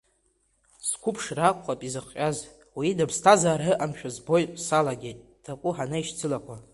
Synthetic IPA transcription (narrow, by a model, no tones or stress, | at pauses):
skʷʰʊpʰʂrakʷʼqʼapʼizɨχʼaz | widabʰstʰazaːrɨʔamʃᶣazbo̞jʼsalaɡʲe̞jtʼ | d̥akʷʼʊħanaiʃt͡sʰɨlakʷʰa